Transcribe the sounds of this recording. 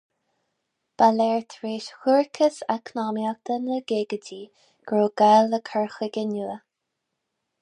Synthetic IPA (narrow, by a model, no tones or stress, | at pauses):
b̥alɛːɹt̪ʰɹeːʃhuɹkʰəsakʰnɑːmjak̚d̪̥ənəɡeːɡədiː | ɡ̥ɹoːɡ̥aləkʰəɹxəɡənuə